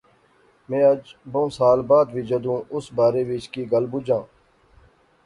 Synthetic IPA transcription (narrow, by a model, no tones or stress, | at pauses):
mẽːəd͡ʒbõːsaːlbaːd̪ʋiːd͡ʒəd̪ũːʔʊsbaːɾeːʋɪt͡ʃkiːɡəlbud͡ʒãː